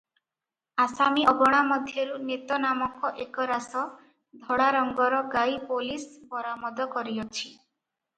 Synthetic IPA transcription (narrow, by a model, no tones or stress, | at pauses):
asamiɔɡɔɽ̃amɔd̪ʱjɔɾunet̪ɔnamɔkɔʔekɔɾasɔ | d̪ʱɔɽaɾɔŋɡɔɾɔɡajpolispɔɾamɔd̪ɔkɔɾiɔt͡ʃʰi̥